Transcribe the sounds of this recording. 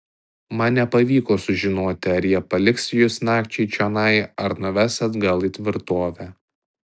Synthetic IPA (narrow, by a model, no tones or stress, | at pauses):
mɐnʲnʲɛpɐʋʲiːkoːsʊʒʲɪnoːt̪ʲɪɐɾʲjiɛpɐlʲɪksjʊsnɑːkt͡ʃʲɛɪt͡ʃʲɛnɐɪɐɾnʊʋʲæːsɐt̪ɡɐlˠiːt̪ʲʋʲɪɾt̪oːʋʲæː